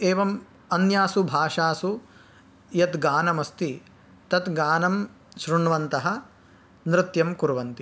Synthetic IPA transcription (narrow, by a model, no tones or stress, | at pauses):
eːʋɐm | ɐnjaːsubʱaːʂaːsu | jɐt̪ɡaːnɐmɐst̪i | t̪ɐt̪ɡaːnɐm | ʃɾuɳʋɐnt̪ɐɦɐ̆ | nɾɪt̪jɐmkuɾʋɐnt̪i